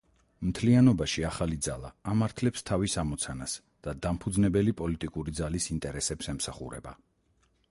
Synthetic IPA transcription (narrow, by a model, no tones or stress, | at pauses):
mt̪ʰlianɔbaʃiaχalid̪zalˠa̰ːmaɾt̪ʰlɛpst̪ʰavisamɔt̪sʰanas | d̪̥ad̪ampʰud̪znɛbɛlipʼɔlit̪ʼikʼuɾid̪zalisint̪ʼɛɾɛsɛpsɛmsaχṵɾɛ̰ba̰